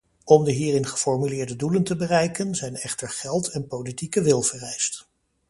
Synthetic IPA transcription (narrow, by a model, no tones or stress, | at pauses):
ɔmdəɦiːrɪnχə̥fɔɹmylɪːɹdəduləntəbərɛjkənzɛjnɛχtəɹχɛlˠtɛnpowlitikəʋɪlˠv̥ərɛjst